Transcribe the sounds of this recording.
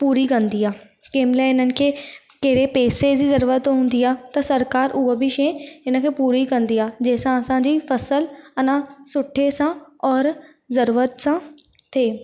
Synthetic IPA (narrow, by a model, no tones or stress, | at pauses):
puːɾikə̃nd̪iːaː | keːmɪlɛɪnənɪ̆kʰeː | keːɾepeːsed͡ʒiːzəɾuːɾət̪ɦʊ̃n̆d̪iːaːt̪ɐsəɾkaːɾʔʊəbʱiʃẽɪnə̃kʰeːpuːɾikə̃nd̪iːaːd͡ʒeːsãsãːd͡ʒiːfʰɐsəlɐnãːsʊʈʰːesãːɔːɾ | zəɾuːɾət̪sãː | t̪ʰeː